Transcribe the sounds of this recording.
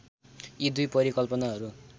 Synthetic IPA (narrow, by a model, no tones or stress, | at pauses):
jid̪ujpʌɾikʌlpʌnaɦʌɾu